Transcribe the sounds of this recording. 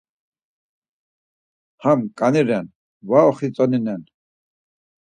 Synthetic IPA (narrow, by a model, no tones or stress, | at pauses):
hamkʼaniɾɛn | vaɔχit͡sʼɔninɛn